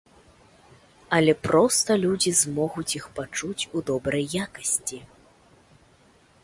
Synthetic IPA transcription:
ɐlʲɛpɾɔst̪ɐlʲud͡zʲizmɔɣut͡sʲixpat͡ʂut͡sʲud̪ɔbɾɐjːakɐsʲt͡sʲi

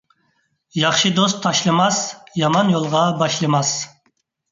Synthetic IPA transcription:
jɑχʃid̪ost̪ʰːɑʃlˠɨmɑsjɑmɑnjolˠʁɑbɑʃlˠɨmɑs

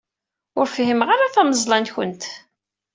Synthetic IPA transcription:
ʊɾfɦimʁaɾaθæməzˤlɑnçʊnt̪

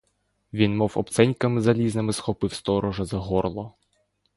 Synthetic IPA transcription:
ʋʲinmɔwɔ̰pt̪sɛnʲkɐmɪzɐlʲiznɪmɪsxɔpɪwst̪ɔɾɔʒɐzɐɦɔrlˠɔ

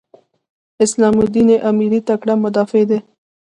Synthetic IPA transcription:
ɪslɑmud̪ineʔamiɾit̪akɽamʊd̪ɑːfed̪e

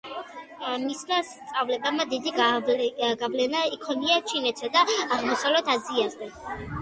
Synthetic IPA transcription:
mismast̪sʼavlɛbamad̪id̪iɡ | ɡavlɛnaikʰɔniat͡ʃʰinɛt̪sʰɔd̪aːʁmɔsavlɛt̪ʰad̪ziaɾd̪ɛ

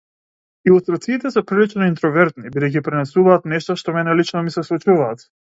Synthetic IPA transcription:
iust̪ɾat̪siːt̪ɛsɛpɾilit͡ʃnɔint̪ɾɔvɛɾt̪nibid̪ɛjcipɾinɛsuvaːt̪nɛʃt̪ɔʃt̪ɔmɛnɛlit͡ʃnɔmisɛslˠut͡ʃuvaːt̪

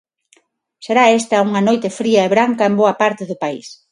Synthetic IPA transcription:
seɾaest̪ɐuŋɐnojt̪efɾiɐeβɾaŋkɐemboɐpaɾt̪eðʊpais

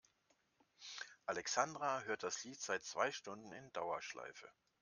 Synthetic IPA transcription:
ʔalɛksandʁaɦøːɐt̚d̥asliːtz̥aɪt͡sv̥a̰ɪʃtʊndn̩ɪndaʊɐʃla̰ɪfə̰

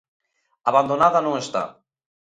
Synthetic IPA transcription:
aβand̪onaðanoest̪a̰

